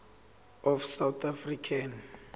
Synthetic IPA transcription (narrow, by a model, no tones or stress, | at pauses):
ɔfsawt̪ʰafrikʰan